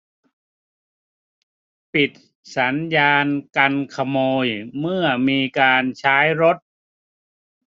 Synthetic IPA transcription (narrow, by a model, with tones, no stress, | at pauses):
pi˨˩t̪̚ | sa˩˦njaː˧nka˧nkʰa˧moː˧jmɯ˥˩ɐmiː˧kaː˧nt͡ɕʰaː˦˥jɾo˦˥t̪̚